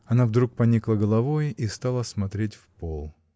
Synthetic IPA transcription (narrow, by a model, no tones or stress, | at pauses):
ɐnavd̪ɾuk̚pɐnʲiklˠəɡəlˠɐvojist̪alˠəsmɐt̪ɾʲetʲfpolˠ